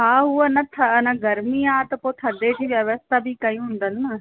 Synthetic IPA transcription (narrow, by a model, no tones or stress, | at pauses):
ɦaːɦuɐnãt̪ʰəɐnãɡɐɾmiaːt̪ɐpoːt̪ʰɐd̪ed͡ʑiːʋjəʋəst̪ʰabʱikɐĩɦʊ̃nd̪ənːə